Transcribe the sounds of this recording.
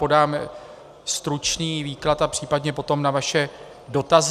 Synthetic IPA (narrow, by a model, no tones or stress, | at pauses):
po̞daːm | st̪ɾut͡ʃniːviːklat̪apr̥iːpadɲɛpo̞t̪o̞mnavaʃɛ | do̞t̪az